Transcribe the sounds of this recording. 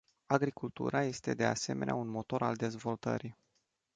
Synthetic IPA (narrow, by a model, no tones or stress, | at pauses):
aɡɾikult̪ṵɾaje̞st̪e̞d̪e̞a̰se̞me̞naunmo̞t̪o̞ɾald̪e̞zvo̞lt̪ə̰ɾi